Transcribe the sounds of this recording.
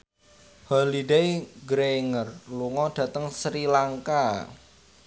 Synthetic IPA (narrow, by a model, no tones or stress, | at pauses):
halidejɡɾeŋərluŋɔɖ̥ä̤t̪əŋsɾilaŋka